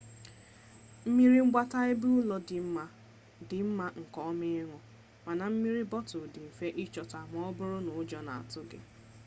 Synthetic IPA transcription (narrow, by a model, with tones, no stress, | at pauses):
m̩˦mi˦ɾi˦ŋ͡m̩˦ɡ͡ba˦ta˦ɪ˦bu˦ʊ˦lɔ˦˨˦ | dɪ˨m̩˦ma˦ŋ̩˨kɔ˦mɪ˦ŋʷɔ˨ | ma˨na˨m̩˦mi˦ɾi˦bɔ˦tʊ˨dɪ˨m̩˨fe˦ʔɪ˦t͡ʃɔ˨ta˨m˨˦ɔ˦bʊ˦ɾʊ˦nʊ˨˦d͡ʒɔ˨na̰˨a˨tʊ˦ɡɪ̰˦